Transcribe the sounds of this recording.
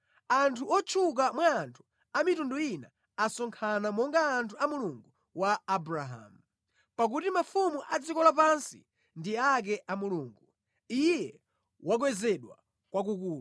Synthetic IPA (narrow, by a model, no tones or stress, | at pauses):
antʰuɔt͡ʃʰuk̬amwaːntʰu̥ | amitundɔina | asɔŋkʰanamɔŋɡaːntʰuamuluŋɡu | waːbuɾaɦa̰mu | pak̬utimafumuʔad͡zikɔlapansḭ | ndiak̬ɛʔamuluːŋɡu | ijɛ | wak̬wɛzɛɗwa̰ | kwak̬ukuːla